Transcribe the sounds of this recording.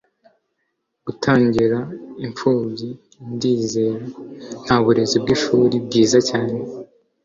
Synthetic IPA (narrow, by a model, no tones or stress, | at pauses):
ɡutʰaːɲɟiɾaiɱfuːmɟi | ndiːze̞ːɾen̥haβuɾe̞zibɡiʃuːɾib̚ɡiːzacaːne̞